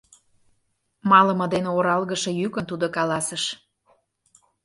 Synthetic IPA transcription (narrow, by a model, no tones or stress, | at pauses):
mɑlə̆mɤ̆d̪eneoɾɑlˠɣəʃɤ̆jykənt̪ud̪okɑlɑsəʃ